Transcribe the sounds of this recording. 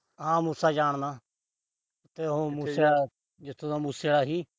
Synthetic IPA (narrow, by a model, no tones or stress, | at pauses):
ɦãːmuːsaːd͡ʒaːɳ̃d̪aː | ʊt̪ːeːɦõːmuːsea | d͡ʒɪt̪ʰːõːd̪aːmuːseːɽaːɦiː